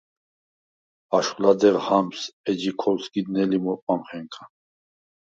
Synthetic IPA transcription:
aʃχlad̪ɛʁhamsɛd͡ʒikʰɔlsɡid̪nɛlimɔpʼamχɛŋkʰḁ

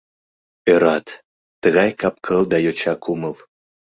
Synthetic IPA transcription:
øɾɑt̪ː | əɣɑjkɑp̚kʰɤlˠd̪ɑjot͡ɕɑkʰuməlˠ

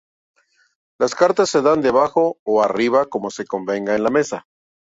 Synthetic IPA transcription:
laskaɾt̪asːe̞ðand̪eβaxo̞ːariβako̞mo̞se̞ko̞mbe̞ŋɡaenlame̞sa

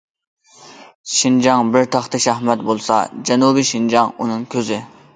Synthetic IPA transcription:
ʃind͡ʒɑŋbɪɾt̪ʰɑχt̪ɨʃɑhmɛt̪bolˠsɑ̰d͡ʒɛnubiʃind͡ʒɑŋunɨŋkʲʰøzɪ

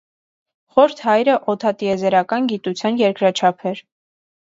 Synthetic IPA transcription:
χɔɾt̪ʰhɑjɾəʔɔt̪ʰɑt̪iɛzɛɾɑkɑnɡit̪ut͡sʰjɑnjɛɾkɾɑt͡ʃʰɑpʰɛɾ

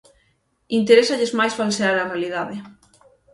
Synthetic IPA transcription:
int̪eɾesɐʎezmajsfalseaɾɐrealið̞aðɪ

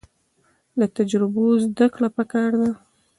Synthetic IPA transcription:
lat̪ad͡ʒɾɪbozd̪akɽapəkɑɾd̪a

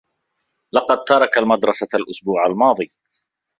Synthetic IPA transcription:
lɑqɑd̪̚t̪ɑɾˤɑkalmad̪ɾˤɑsaalʔʊsbuːʕalmɑːðˤij

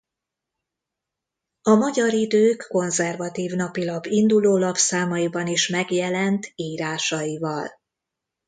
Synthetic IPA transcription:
ɒmɒɟɒɾid̪øːkːo̞nzɛrvɒt̪iːvn̪ɒpilɒbːind̪uloːlɒpsaːmɒjibɒniʃmɛɡjɛlɛnt̪iːɾaːʃɒjivɒl

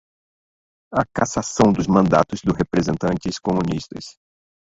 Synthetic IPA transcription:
ɐkasasɐ̃w̃d̪ʊzmɐ̃nd̪a̰t̪ʊzd̪ʊɦepɾezẽnt̪ɐ̃nt͡ʃɪskomũnist̪ɐ̰s

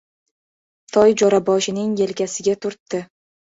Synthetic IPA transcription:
t̪ʰɒjd͡ʒɒɾabɒʃɪnɪŋje̞lkʲasɪɡʲat̪ʰʊɾt̪ːɪ

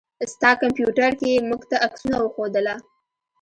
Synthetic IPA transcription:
st̪ɑkampjuʈaɾkemuɡt̪aʔaksunawəxod̪əla

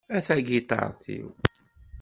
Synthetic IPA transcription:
æθæɡit̪ˤɑ̰ɾˤθḭw

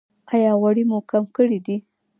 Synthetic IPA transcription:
ajɑwaɽimokamkəɽid̪i

